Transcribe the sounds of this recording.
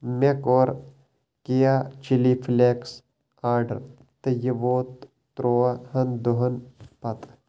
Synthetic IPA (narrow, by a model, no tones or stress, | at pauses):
mekoːɾ | kejat͡ʃilifʰleks | aːɾɖə̰ɾ | t̪ɐjəʋoːt̪ː | ɾoːɐhɐnd̪uɦɐnpɐt̪